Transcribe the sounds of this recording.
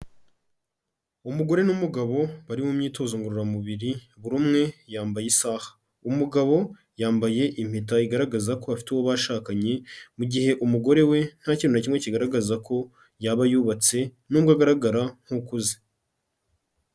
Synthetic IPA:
umuɡo̞ɾe̞numuɡaβo̞βaɾimumɲiːto̞zoŋɡuɾuɾamuβiɾiβuɾumŋe̞jaːmbajesaːhḁ | umuɡaβo̞ | jaːmbaje̞ʔim̥itaiɡaɾaɡazako̞βafi̥tewoβaʃaːkaɲe̞muɟihe̞ʔumuɡo̞ɾe̞we̞n̥haciːnonacimŋe̞ciɡaɾaɡazakʰo̞ | jaβajuβat͡se̞nuːmɡaɡaɾaɡaɾaŋ̥hukuzi̥

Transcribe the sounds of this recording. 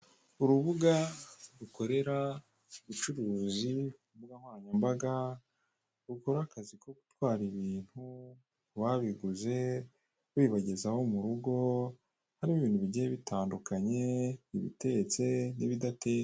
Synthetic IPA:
uɾuβuɡaɾuko̞ɾe̞ɾa | uβut͡ʃuɾuːzi | uβuɡamwaːɲambaɡa | ɾuko̞ɾakazikoɡutwaːɾiβiːn̥hu | βaβiɡuze̞ | wiːβaɟe̞zaho̞muɾuɡo̞ | haɾimuβiːn̥huβiɟajeβitaːndukaɲe̞iβḭte̞ɟet͡se̞niβidate̞

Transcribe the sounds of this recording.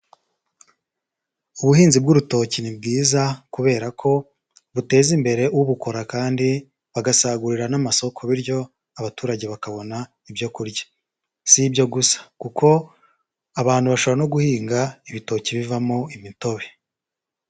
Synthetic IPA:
uβuhiːnzibɡuɾuto̞cinib̚ɡiːzakuβe̞ːɾakʰo̞ | βute̞ːzimbe̞ɾe̞wuβuko̞ɾakaːndi | βaɡasaːɡuɾiɾanamaso̞kʰoβiɾɟo̞ | aβatuːɾaɟe̞βakaβo̞na | ibjo̞kuɾɟḁ | sibɟo̞ɡusḁkukʰo̞ | aβaːn̥huβaʃoβɾano̞ɡuhiːŋɡaiβito̞ːciβivamoimito̞βe

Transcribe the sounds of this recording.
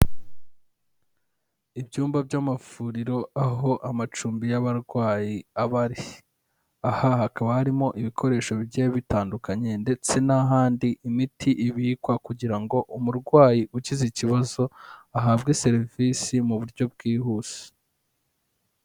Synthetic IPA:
ibjuːmbabɟamafuːɾiɾo̞aɦo̞ʔamat͡ʃuːmbijaβaɾɡwaːjiaβaɾi | ahahakaβahaɾimo̞ʔiβikʰo̞ɾe̞ːʃo̞βɟeβitaːndukaɲe̞nde̞t͡se̞naɦaːndiʔimitiʔiβiːkwakuɟiɾaŋɡo̞ʔumuɾɡwaːjiʔuciziciβazo̞aɦaβɡe̞se̞ɾvisimuβuɾɟo̞b̚ɡiːhuːz̥e̥

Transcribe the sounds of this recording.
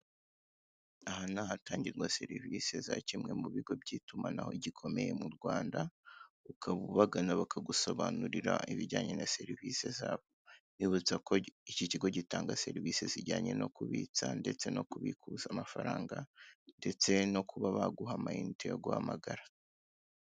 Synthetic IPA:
ahanahataːɲɟiɾɡwase̞ɾivise̞zacimŋe̞muβiɡo̞bɟiːtumanaho̞̰iɟikʰo̞me̞je̞muɾɡwaːndaukʰaβuβaɡanaβakʰaɡuso̞βanuɾiɾaiβiɾɟaːɲe̞nase̞ɾiviːse̞zaːβoniβut͡sako̞iciciɡo̞ɟitaːŋɡase̞ɾivise̞ziɟaːɲe̞no̞kuβiːt͡sande̞t͡se̞no̞kuβikʰuzamafaɾaːŋɡande̞t͡se̞no̞kʰuβaβaɡuɦamainteoɡuha̰maɡaɾa

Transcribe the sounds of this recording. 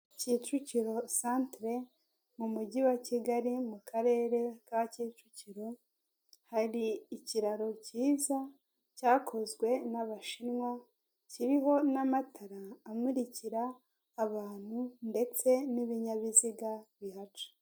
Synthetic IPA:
cit͡ʃuciɾo̞santɾe | mumuɟiwaciɡaɾimukʰaɾe̞ːɾe̞kaciːt͡ʃuciɾo̞ | haɾiːciɾaɾo̞ciːza | caːkʰo̞zɡwe̞naβaʃinŋwa | ciɾiɦo̞namatʰaɾaːmuɾiciɾaː | βaːn̥hunde̞t͡se̞niβiɲaβiziɡaβiɦat͡ʃu̥

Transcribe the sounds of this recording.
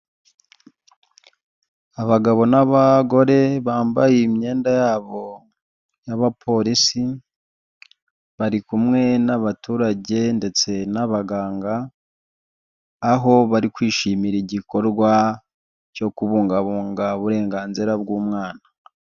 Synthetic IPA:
aβaɡaβo̞naβaɡo̞ɾe̞βaːmbajemɲe̞ːndajaːβo̞ | jaβapʰo̞ɾisi | βaɾikumŋe̞naβatuːɾaɟe̞nde̞t͡se̞naβaɡaːŋɡa | ɦo̞βaɾikwiːʃiːmiɾiɟiko̞ɾɡwa | co̞kuβuːŋɡaβuːŋɡaβuɾe̞ːŋɡaːnziɾabɡuːmŋaːna

